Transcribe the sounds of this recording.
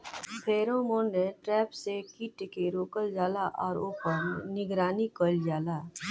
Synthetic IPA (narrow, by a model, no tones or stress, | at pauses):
pʰeːɾõmoːneʈɾɛːpsekiːʈkeɾoːkəld͡ʒaːlaʔɔːɾoːpənnɪɡɾaːnikəld͡ʒaːlaː